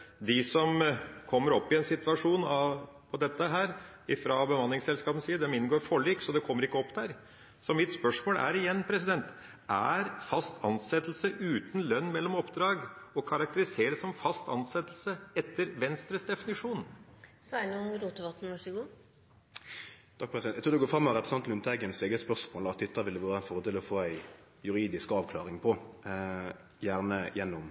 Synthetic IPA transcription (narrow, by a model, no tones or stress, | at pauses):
d̪ɪsɔmkʰɔmːəɾɔpːɪɛnsɪt̪ʋɑʂuːnɑ | pʰɔd̪ɛt̪ːəɦæːɾ | ɪfɾɑbəmɑnlɪŋsɛlskɑːpən̩siːd̪ɛmɪnɡoːɾfɔɭiːksɔd̪ɛkʰɔmːəɾɪkːəɔpːd̪æɾ | sɔmɪt̪spœʂmoːlʔæ̰ɾɪjɛnːpʰɾɛsɪd̪ɛnt̪ | ʔæɾfɑst̪ʰɑ̰nsɛt̪l̩səʔʉːt̪n̩lœnːmɛlːɔmɔpd̪ɾɑːɡɔkʰɑɾɑk̚t̪əɾɪseːɾəsɔmfɑst̪ɑnsɛt̪lsəɛt̪ːəɾʋɛnst̪ɾəsd̪ɛfɪnɪʂuːnsɔænuɾuːt̪əʋɑt̪n̩ʋɑʂɔɡuː | t̪ʰɑk̚pʰɾɛsd̪ɛnɛɪt̪ʰuːd̪ɛɡoːfɾɑmːɑʁɛpɾəsɑnt̪nʊmt̪ʰɛɡənseːɡəspœʁʂmoːlɑt̪ʰːɪt̪ʰːɑʋɪld̪əʋæːʁəɛnfɔʁd̪ɪːləɔfoːæɪ | jʉɾiːd̪ɪskɑːʋkʰlɑ̰ːʁɪŋpʰɔ | jæːʁnəjɛnːʊm